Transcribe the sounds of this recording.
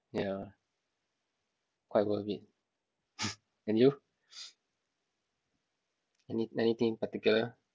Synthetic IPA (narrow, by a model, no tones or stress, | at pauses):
ja | kwaɪjt̚wəvit̚ | ɛ̃nju | ɛniɛnit̪ĩŋpat̪ikjulə